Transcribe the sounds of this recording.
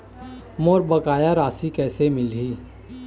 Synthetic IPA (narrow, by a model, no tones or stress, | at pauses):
moːɾbəkaːjaɾaːsikɛːsemɪlɦiː